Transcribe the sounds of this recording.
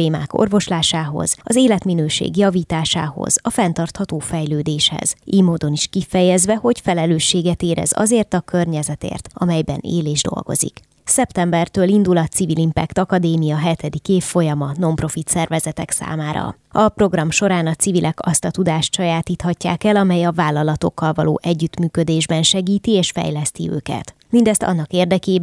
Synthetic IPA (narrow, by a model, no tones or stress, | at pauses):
eːmaːko̰rvo̞ʃlaːʃaːɦo̞̰z̥ɒzeːlɛt̪minøːʃḛːɡjɒviːt̪aːʃaːɦo̰zɒfɛnt̪ɒrt̪hɒt̪oːfɛjløːd̪eːʃhɛ̰z̥eːoːd̪o̞niʃkifɛjɛzʋɛho̞cfɛlɛløːʃːeːɡɛt̪eːɾɛ̰zɒ̰zeːrt̪ɒkørɲɛzɛt̪ḛːrt̪ɒmɛjbɛ̰nḛːleːʒd̪o̞̰lɡo̞̰zḭk | sɛpt̪ɛmbɛrt̪øːlind̪ulɒt̪sivilimpɛ̰kt̪ɒkɒd̪eːmijɒɦɛt̪ɛd̪ikeːfːo̞jɒmɒno̞mpro̞fit̪sɛrvɛzɛt̪ɛksa̰ːmaːɾɒ̰ɒpro̞ɡrɒmʃo̞ɾaːnɒt̪sivilʔɛkɒst̪ɒt̪ud̪aːʃt̪ʃɒjaːt̪iːt̪hɒcːa̰ːkɛlɒmɛjɒvaːlːɒlɒt̪okːɒlvɒlʔo̰ːʔɛɟːyt̪myːkød̪eːʒbɛnʃɛɡiːt̪ieːʃfɛ̰jlɛst̪iø̰ːkɛ̰t̪ | mind̪ɛst̪ɒ̰nːɒkeːrd̪ɛkeːb